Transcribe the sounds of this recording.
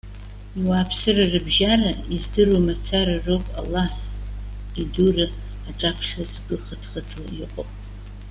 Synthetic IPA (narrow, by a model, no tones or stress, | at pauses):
iwapʰsɨrɨrɨbʒaraizdɨrumat͡sʰaɾɨrowpʼa̰lːaħ | idurɨ | aʈ͡ʂʼapʰʂazɡɨχətʰχatʰa̰iqʼopʼ